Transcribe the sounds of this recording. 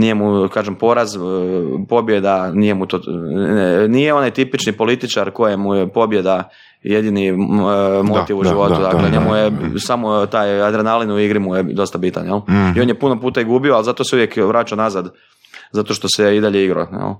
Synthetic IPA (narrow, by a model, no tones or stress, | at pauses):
nijemukaːʒempo̞ɾazpo̞bjed̪anijemut̪o | nijeo̞najt̪ipit͡ʃnipo̞lit̪it͡ʃaɾko̞jemujepo̞bjed̪a | jed̪ini | mot̪iʋuʒiʋo̞t̪ud̪aklonjemujesamot̪aːjad̪ɾenalinuiɡɾimujed̪o̞st̪abit̪a̰njelio̞njepuno̞puːt̪aiɡubioalzat̪oseuʋjekʋɾat͡ʃaonazad̪ | zat̪o̞ʃt̪o̞seid̪aʎeiɡɾo̰jɛ̰l